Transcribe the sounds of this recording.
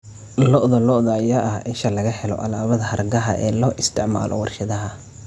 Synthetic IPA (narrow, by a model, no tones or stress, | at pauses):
lɔʔðɔlɔʔðɐːjaʔɐhɛʃɐlɐɣɐhɛlɔ̰ʔɐlaːβɐðɐhɐrɡɐɦɐʔɛːlɔːʔɪst̪ʰɪʕma̰ːlʔɔ̰wɑrʃɐðɐɦɐ